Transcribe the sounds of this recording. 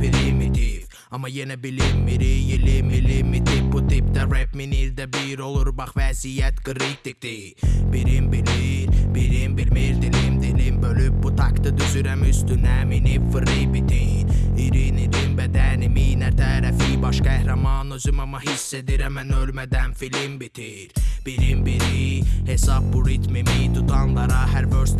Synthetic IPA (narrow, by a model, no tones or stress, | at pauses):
bilimid̪iv | ɑmɑjenæbilimːiɾijilimilimːid̪ibut̪ʰip̚d̪æɾebminiɾd̪æbiɾolˠuɾbɑχvæzijæt̪ɡ̥ɯɾit̪̚d̪ik̚d̪i | b̥iɾimbilmiɾbiɾimbilmiɾd̪ilimd̪ilimbølyp̚but̪ʰɑkt̪ɯd̪yzyɾæmyst̪ynæminivfɯɾibit̪ʰiniɾiniɾimbæd̪æniminæt̪ʰæːɾæfibɑʃkæhɾɑmɑːnøzymɑmɑhisːed̪iɾæmænølmæd̪ænfilimbit̪ʰi | ɾb̥iɾimbiɾihesɑb̚buɾit̪mimit̪ʰut̪ʰɑnlˠɑɾɑɦæɾbøɾs